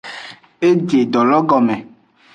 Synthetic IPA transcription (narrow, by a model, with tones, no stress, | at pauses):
e˦d͡ʒe˨ɖ̪ɔ˨lɔ˦ɡɔ˨mẽ˨